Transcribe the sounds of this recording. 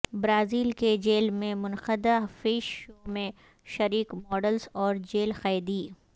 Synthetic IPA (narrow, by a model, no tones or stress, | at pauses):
bɾaːziːlked͡ʒeːlmẽmʊnxəd̪aɦfiːʃomẽ | ʃɐɾiːkmɔːɖəlzɔːɾd͡ʒeːlxaːjd̪iː